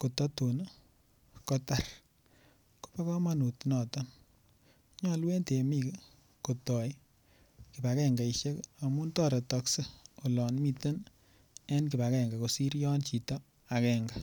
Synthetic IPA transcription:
ko˨tɔ˦tu˨n˦ | kɔ˦ta˨r | ko̥˦pa˦kɔ˦ma˦˨nu˨tnɔ˨tɔ˦n | ɲɔ˦lwe˦nte˨mi˨k | ko˨tɔ˨j | ki˨pa˨kɛ˦ŋɡa˨i˨ʃe˦ka˨mu˦ntɔ˦ɾe˨tɔkse˦o˨lɔ˨nmi˧te˦n | e˦nki˨pa˨kɛ˨ŋɡa˨ko˨si˦ɾjɔ˦nt͡ʃi˨tɔ˦ | a˨kɛ˨ŋɡa

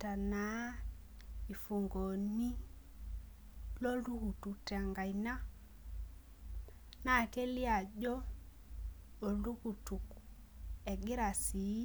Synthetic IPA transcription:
ta˨na˨˦ | i˨fu˨ŋɡɔ˨ni˦ | lɔ˦lu˦ku˨tu˨tɛ˨a˨ŋɡa˨i˨na˦ | na˦˨kɛ˦li˦a˨ʄɔ˦˨ | lu˦ku˨tu˨kuɛ˨ɡi˦ɾa˨si˨˦

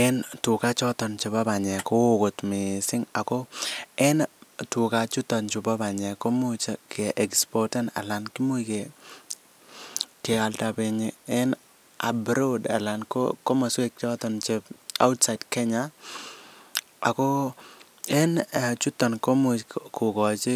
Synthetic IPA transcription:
ɛ˦ntʊ˨ka˦t͡ʃɔ˦t̪ɔ˨nt͡ʃe˨ba˦ba˨ɲɛ˨ko˦o˦˨ko˨t̪mɪ˨sɪ˦ŋa˨ko˦ɛ˦ntʊ˨ka˨t͡ʃʊ˦tɔ˨nt͡ʃʊ˨ba˦ba˨ɲɛ˨ko˦mo˦t͡ʃke˨ʔɛ˨kspɔ˨tɛ˦na̰˨la˨nki˦mo˦jke˨ | ke˨a˨lta˨pe˧ɲiɛ˦n | a̰˨bɾo˦da̰˨la˨nko̰ko˦ma˨swe˦k̚t͡ʃɔ˦t̪ɔ˨nt͡ʃe˦ba̰˦ʊ˦tsa˨ɪdkɛ˦ɲa˦˨ | ko˦ | ɛ˦n˨t͡ʃu˦tːɔ˨nko˦mo˨ko˨kɔ˨t͡ʃi˦

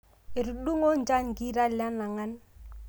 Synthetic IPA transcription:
e˨ɾu˨ɗu˦ŋo˦nt͡ʃa˦ɲki˦ɾa˦la˦na˨ŋa˦n

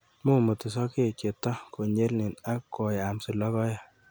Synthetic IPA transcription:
mu˦mu˨t̪ɪ˨s̬ɔ˦ke˦ke˨tːɔ˦ko˨ɲe˦lnɪ˨na˦kːo˨ja˨msi˨lɔ˦kɔ˦ja˨

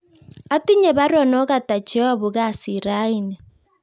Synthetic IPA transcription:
a˦ti˦ɲe˨βa˦ɾɔ˨nɔ˦ɣa˨ta˨t͡ʃe˦a˦˨βu˨ɣa˦˨si˨ɾa˦i˨nɛ˨

